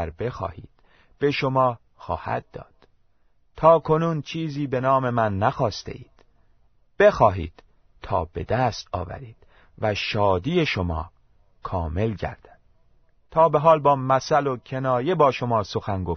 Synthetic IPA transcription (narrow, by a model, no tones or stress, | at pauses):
ɾbe̞xɒ̰ːhḭːd̪̥ | b̥e̞ʃomɒː | xɒ̰ːhæ̰d̪̚d̪ːɒ̰ːd̪̥ | t̪ʰɒːkʰo̞nuːnt͡ʃʰiːziːbe̞nɒːme̞mænːæxɒːst̪e̞̰ʔiːd̪̥ | b̥e̞xɒːɦḭːd̪̥ | t̪ʰɒːbe̞d̪æst̪ɒ̰ːvæ̰ɾiːd̪̥ | væʃɒːd̪iːeʃo̞mɒ̰ː | kʰɒːme̞lɟæ̰ɾd̪̥ænd̪̥ | t̪ʰɒːbe̞ɦɒːlbɒːmæsælo̞cʰe̞nɒːje̞bɒːʃo̞mɒːso̞xænɡof